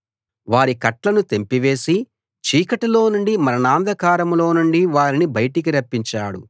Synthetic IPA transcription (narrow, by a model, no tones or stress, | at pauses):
ʋaːɾikɐʈlɐnut̪e̞mpiʋe̞ːsi | t͡ʃiːkɐʈilo̞ːnuɳɖimɐɾɐnaːnd̪ʱɐkaːɾɐmlo̞ːnuɳɖiʋaːɾinibɐjʈik̬iɾɐpːiɲt͡ʃaːɽṵ